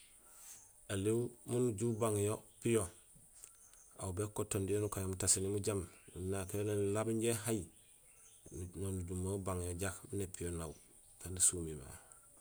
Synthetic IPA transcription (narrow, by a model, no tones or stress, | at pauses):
alimmunuɟuːbaŋjopijo | a̰wbekotːondijonukajomutasinimuɟamnunakjolenlabiɲɟeɦaj | nonuɟumabaŋjoɟakminepijonau | kendisumima̰